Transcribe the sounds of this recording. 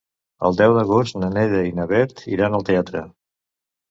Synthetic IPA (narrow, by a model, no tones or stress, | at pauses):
ə̰lˠd̪ɛwd̪əɣ̞ost̪nənɛðəinəβɛɾt̪ḭɾanəlˠt̪eat̪ɾə